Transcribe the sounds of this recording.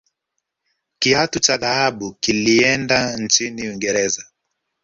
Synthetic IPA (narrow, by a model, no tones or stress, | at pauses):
kiatut͡ʃaðahaɓukiliɛndant͡ʃiniwiŋɡɛɾɛza